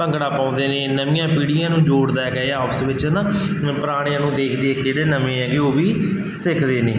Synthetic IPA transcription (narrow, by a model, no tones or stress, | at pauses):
əŋkɽaːpãːnd̪eːneːnəmɪjãːpiːɽɪjãːnũːd͡ʒoːɽd̪aːɛɡɛːeaːpʰɪsʋɪt͡ʃnãː | pəɾaːɽ̃eãːnũːd̪eːkʰd̪eekeːɽeːnəmẽːɛːɡeːoːʋiː | sɪkʰd̪eːnḛː